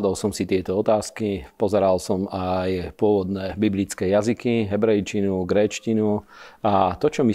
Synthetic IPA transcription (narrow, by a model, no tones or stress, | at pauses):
d̪ɔlsɔmsit̪ɪɛt̪ɔɔt̪aːskipɔzɛɾalsɔmajpʊɔʋɔd̪nɛbiblit͡skɛːjazikiɦɛbɾɛjt͡ʃinuɡɾɛːt͡ʃcinuat̪ɔt͡ʃɔmi